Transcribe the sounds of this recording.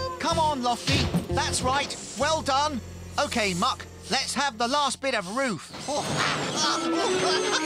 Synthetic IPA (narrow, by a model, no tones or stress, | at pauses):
kʰʌ̃mə̃nlɒftiðætsɹaɪt̚ | wɛlˠdʌ̃n | oʊkʰeɪmʌk | lɨtshəvðəlæsb̥ɪɾʌvɹʉf